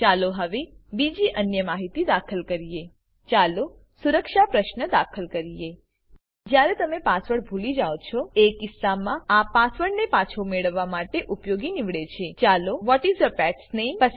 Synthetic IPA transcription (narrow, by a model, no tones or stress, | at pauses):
t͡ʃaloɦəʋebid͡ʒiʔənjəmaɦit̪id̪akʰəlkəɾije | t͡ʃalo | suɾəkʃapɾəʃnəd̪akʰəlkəɾije | d͡ʒjaɾet̪əmepasʋəɽbʱulid͡ʒaot͡ʃʰɔekɪsːamãapasʋəɽnepat͡ʃʰomeɭəʋːamaʈeʔupjoɡiniʋɭet͡ʃʰet͡ʃaloʋɔʈizəpɛʈsnempəs